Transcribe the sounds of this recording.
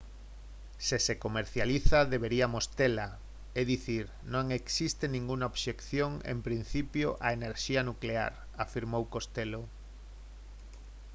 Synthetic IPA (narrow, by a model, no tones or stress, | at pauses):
sesekomeɾθjaliθaðeβeɾiamost̪ela | eðiθiɾ | nõŋeksist̪enĩŋɡuŋaoβʃekθjoŋḛmpɾin̟θipjoʔaeneɾʃianuklea̰ɾ | afiɾmowkost̪elo